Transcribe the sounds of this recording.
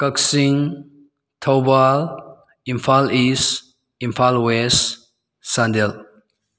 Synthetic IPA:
kəksiŋ | tʰawbal | impʰalis | impʰalwes | sandel

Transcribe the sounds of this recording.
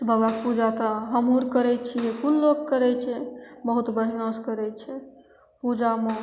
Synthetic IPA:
sbʱəbapud͡ʒat̪əɦəmɦuɾkəɾɛt͡ʃʰijekulːokkəɾɛt͡ʃʰɛbəɦut̪bəɽ̤iaskəɾɛt͡ʃʰɛ | pud͡ʒame

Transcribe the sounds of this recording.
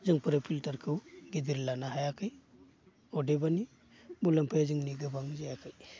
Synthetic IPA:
zɯŋpʰɯɾɯpʰiltaɾkʰɯwɡid̪iɾlanahajakʰɯj | ɔdebani | bulampʰajazɯŋniɡɯbaŋzajakʰɯj

